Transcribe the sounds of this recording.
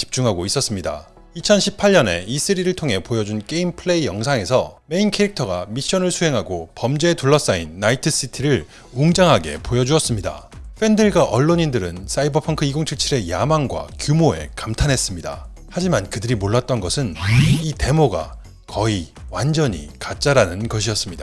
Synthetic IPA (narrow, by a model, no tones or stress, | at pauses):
t͡ɕi̥p̚t͡ɕ͈uŋɦaɡois͈ʌs͈ɯmɲida̰ | it͡ɕʰʌnɕʰipʰaʎɲʌne̞is͈ɯɾiɾɯɭtʰoŋɦe̞pojʌd͡ʑunk͈e̞impʰɯɭe̞ijʌŋsʰaŋe̞sʰʌme̞inkʰe̞ɾik̚tʰʌɡamiɕ͈ʌnɯɭsʰuɦe̞ŋɦaɡopʌmd͡ʑeetuɭːʌs͈ainːaitʰɯs͈itʰiɾɯɭ | uŋd͡ʑaŋɦaɡe̞̰pojʌd͡ʑuʌs͈ɯmɲida̰ɸ͈endɯɭɡaʔʌɭːoɲindɯɾɯns͈aibʌpʰʌŋkʰɯiɡoŋt͡ɕʰiɭt͡ɕʰiɾe̞jamaŋɡwa̰kjumoe̞̰kamtʰanɦe̞s͈ɯmɲida̰ | had͡ʑimankɯdɯɾimoɭːat̚t͈ʌnɡʌsʰɯnite̞moɡa̰ | kʌiwand͡ʑʌɲḭkat͡ɕ͈aɾanɯnɡʌɕʰijʌs͈ɯmɲida